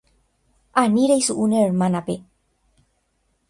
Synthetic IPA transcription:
ʔaniɾejsuʔuneɾmanape

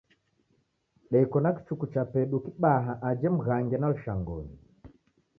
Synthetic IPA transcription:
ɗɛikɔnaki̥t͡ʃukut͡ʃapɛɗukiɓaɦaʔad͡ʒɛm̩ɣaŋɡɛnaluʃaŋɡɔ̰ni

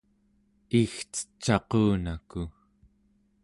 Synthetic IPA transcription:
ixt͡sə̥t͡ʃːɑquːnaku

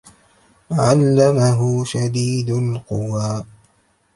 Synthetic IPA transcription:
ʕalːamaɦʊʃad̪iːd̪alqʊwaː

